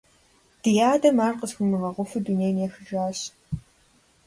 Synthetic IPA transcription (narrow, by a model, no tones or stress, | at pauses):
d̥ɨjaːdɐmaːrqəzxʷʊmɨʁɐʁʷʊfɨduneːjneːxɨd͡ʒaːɕ